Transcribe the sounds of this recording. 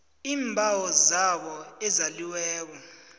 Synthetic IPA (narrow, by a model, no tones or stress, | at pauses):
iːmbʱawɔzaɓɔɛzaliwɛːk̬ɔ